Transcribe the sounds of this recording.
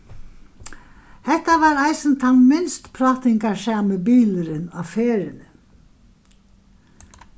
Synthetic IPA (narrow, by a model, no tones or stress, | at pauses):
hɛht̪aʋaːɾajsɪnt̪ʰanmɪnst̪pʰɾɔːt̪ɪŋkaɹsaːmɪbiːlɪɾɪnafeːɾɪnɪ